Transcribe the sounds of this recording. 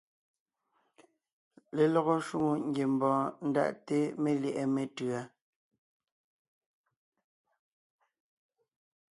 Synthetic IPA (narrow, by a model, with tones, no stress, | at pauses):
le˨lɔ˦˨ɣɔ˦ʃu˦˨ŋo˦˨ŋ̩˦ɡje˨m˨bɔ̃ː˨˦n̩˦da̰˦ʔte˦me˦ljɛ˨ʔɛ˦me˨tɰa˨